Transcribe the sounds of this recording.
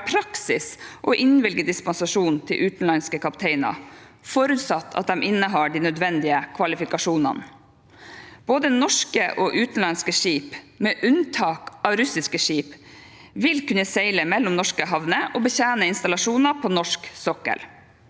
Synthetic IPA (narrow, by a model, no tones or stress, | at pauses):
pʰɾɑksɪsʔɔʔɪnʋɪlɡəd̪ɪspɑnsɑʂuːnnt̪ʰɪlʔʉːt̪n̩lɑnskəkɑpt̪ʰeɪnɑ̰ | fɔɾʉt̪sɑt̪ʰːɑ̰t̪̚d̪ɛmʔɪnːəɦɑːɖiːnœd̪ʋɛnd̪ɪəkʰʋɑlɪfɪkɑʂuːnɑ̰n | b̥oːd̪ənɔʂkəʔoːʔʉːt̪n̩lɑnskəʂiːp | meːʔʉnt̪ʰɑːkɑʋɾʉsɪskəʂiːp | ʋɪlkʉnəsɛɪləmɛlːɔmnɔʂkəɦɑʋnəʔobəçæːnəɪnst̪ɑlɑʂuːnɑpʰoːnɔʂksɔkːə̰l